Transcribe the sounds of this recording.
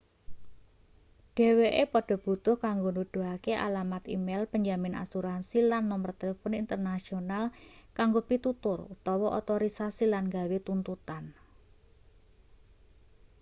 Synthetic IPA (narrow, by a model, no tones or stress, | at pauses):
ɖ̥e̤weʔepɔɖ̥ɔ̤b̥ṳt̪ʊhkaŋɡonud̪̥uakeʔa̰lamat̪ḭmelpəɲd͡ʒamɪna̰suɾansilanːɔmərt̪elefɔnint̪ərnasionalkaŋɡopit̪ut̪ʊrut̪ɔwɔʔo̰t̪oɾisasilanŋɡawet̪unt̪ut̪an